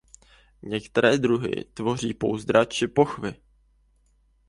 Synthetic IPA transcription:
ɲɛkt̪ɛɾɛːd̪ɾuɦɪ̰t̪vo̞r̝iːpo̞̰wzd̪ɾat͡ʃɪpo̞xvɪ

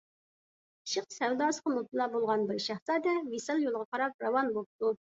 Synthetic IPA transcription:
i̥ʃɪq̚sɛwd̪ɑːsə̥qɑmop̚t̪ɨlˠɑbolˠʁɑnbɪɾʃæχsɑːd̪ɛwisɑlˠjolˠʁɑqɑɾɑp̚ɾɑwɑnbop̚t̪u

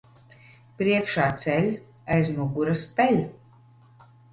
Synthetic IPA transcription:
pɾiɛkʃaːt̪sɛlʲ | ajzmuɡuɾaspʲɛlʲ

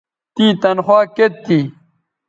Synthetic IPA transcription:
t̪iːt̪ɐnxwaːket̪ːi

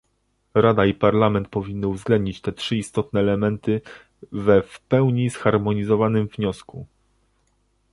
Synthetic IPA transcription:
ɾad̪aipaɾlamɛnt̪̚pɔvʲinːɘuvzɡlɛnd̪̚ɲit͡ɕt̪ɛtʂɘist̪ɔt̪̚nɛːlɛmɛnt̪ɘ | vɛfpɛwɲisxaɾmɔɲizɔvanɘmvɲɔsku

